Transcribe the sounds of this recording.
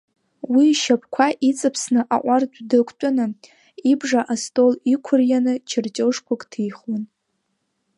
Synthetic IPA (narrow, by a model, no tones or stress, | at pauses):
wiʃapʰkʷʰaʔit͡sʼɨpʰsnɨʔaʔʷardʷdɨkʷʼʰt͡ʃʷʼʊnɨ | ibʐaʔastʼolikʷʰʊrjanɨt͡ʃʰɪrt͡ʃʼoʂkʷʰʊkʼtʰijχwan